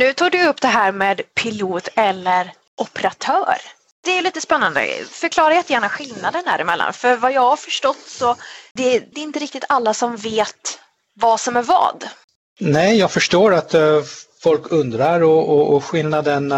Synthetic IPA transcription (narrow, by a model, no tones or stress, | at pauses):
nʉ̟ːt̪ʰɑːɖɵɵpːd̪ɛɦæːɾmeːd̪pʰɪluːt̪ɛlːəɾ | ʔɔpəɾat̪ʰœːɾ | d̪̥ɛæɾjliːt̪əspɛnːand̪ə̰fœɾkʰlɑːɾajɛt̪ːəjæːɳaɧɪlnad̪ənhæ̰ːɾɪmɛlːa̰nfœɾvajɑːɡhaɾfœʂʈɔt̪ːsɔd̪ɛd̪ɛɪnt̪əɾɪk̚t̪ɪt̪ʰalːasɔmveːt̪ | vasɔmæɾvɑ̰ːd̪ | nɛjɑːɡfœʂʈoːɾat̪fɔlkʰɵnd̪ɾaɾɔɔːɧɪlnad̪ən